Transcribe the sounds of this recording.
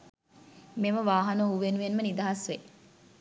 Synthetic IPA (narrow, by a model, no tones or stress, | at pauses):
meməʋaːɦanəɦuʋenuʋenmənid̪ɐɦasʋe